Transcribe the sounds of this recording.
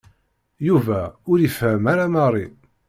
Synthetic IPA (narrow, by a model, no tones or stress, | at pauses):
juvæʊɾifhəmaɾaməʁɾˤi